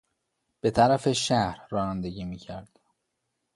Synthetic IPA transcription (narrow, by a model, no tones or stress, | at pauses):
b̥e̞t̪ʰæɾæfe̞ʃæhɾːɒːnænd̪eɟiːmiːcʰæɾd̪̥